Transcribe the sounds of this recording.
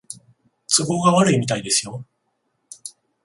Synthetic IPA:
t͡sɨbo̞ːɡaβaɾɯ̟imʲit̪aid̪e̞sɨjo̞

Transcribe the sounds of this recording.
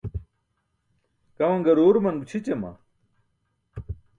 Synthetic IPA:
kɐmɐŋɡɐɾoːɾmɐnbut͡ɕʰit͡ɕemɐ̰

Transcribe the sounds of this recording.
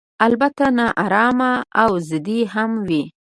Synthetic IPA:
albat̪anɑʔɑɾɑmaawzəd̪iɦamwi

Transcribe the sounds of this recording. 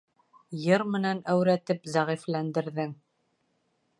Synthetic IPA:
jɤɾmɘ̆nænæwɾæt̪ɘpzæʁiflænd̪ɘ̆ɾðɘŋ

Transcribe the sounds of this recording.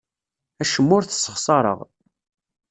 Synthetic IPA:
æʃəmːʊɾθsːə̥χsˤɑɾˤə̰ʁ

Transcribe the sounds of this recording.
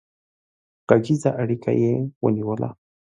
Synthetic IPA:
qad͡ʒizaʔaɽika̰jewə̰niwəlʔa̰

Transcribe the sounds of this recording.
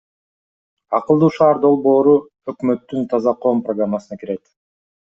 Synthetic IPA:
ɑqɯlˠd̪uːʃɑːɾd̪o̞lˠbo̞ːɾu | ø̞kmø̞t̪ːynt̪ʰɑzɑqʰo̞ːmprɐɡramːasɯnɑkiɾe̞t̪

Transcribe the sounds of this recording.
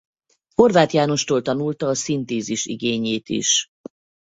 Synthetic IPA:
ho̞rvaːt̪jaːno̞ʃt̪oːlt̪ɒnult̪ɒːsint̪eːziʃḭɡeːɲeːt̪ḭʃ

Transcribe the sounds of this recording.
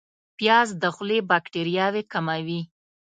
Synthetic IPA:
pjɑzd̪əxlebakʈeɾjɑwekamawi

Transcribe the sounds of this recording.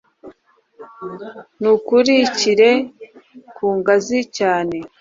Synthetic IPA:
nukuɾiciɾe̞ | kʰuːŋɡazicaːne̞

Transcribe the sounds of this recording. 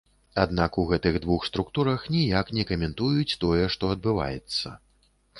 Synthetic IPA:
ad̪nakuɣɛt̪ɨɣd̪vuxst̪ɾukt̪uɾɐxnʲijaknʲɛkɐmʲɛnt̪ujut͡sʲt̪ɔjɛʂt̪ɔɐd̪̚bɨva̰jɛt̪sːɐ̰

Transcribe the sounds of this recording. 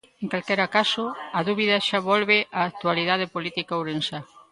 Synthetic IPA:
ẽŋkalkɛɾakasʊɐðuβiðɐʃaβɔlβeʔaːk̚t̪ualiðaðepolit̪ikauɾensa

